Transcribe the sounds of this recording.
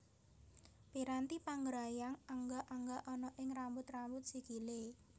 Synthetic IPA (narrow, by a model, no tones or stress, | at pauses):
piɾant̪ipaŋɡɾajaŋaŋɡaʔaŋɡaʔɔnɔʔɪŋrambʊt̪rambʊt̪̚sikile